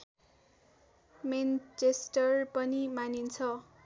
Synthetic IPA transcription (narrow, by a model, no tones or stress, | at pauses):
ment͡sesʈʌrpʌnimanint͡sʰʌ